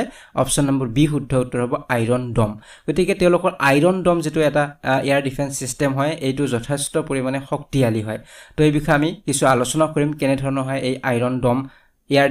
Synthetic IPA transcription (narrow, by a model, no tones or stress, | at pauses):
ɔ̰psɔnːambɔɹbixudʱːɔutːɔɹɦɔbɔajɹɔndɔm | ɡ̥otikɛtɛʊ̃lʊkɔɹʔajɹɔndɔmzitʊɛtaiaɹdipʰɛnsːistɛmɦɔjejtʊzɔtʰɛstɔpoɹimanɛxɔktialiɦɔjtojbikʰɔamikisualosɔnakoɹimkɛnɛdʱɔɹɔnɔɦɔjejʔajɹɔndɔm | ia